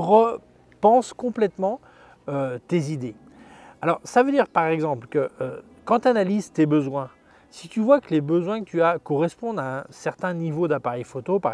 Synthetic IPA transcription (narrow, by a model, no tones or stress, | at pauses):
ʁə | pɑ̃skɔ̃plɛt̪mɑ̃ | øt̪ezid̪e | alɔʁsavød̪iʁpaʁɛɡzɑ̃plkəʔø | kɑ̃t̪analizt̪ebəzwɛ̃ | si̥t̪yvwakəlebəzwɛ̃kət̪yakɔʁɛspɔ̃d̪aɛ̃sɛʁt̪ɛ̃nivod̪apaʁɛjfot̪opaʁ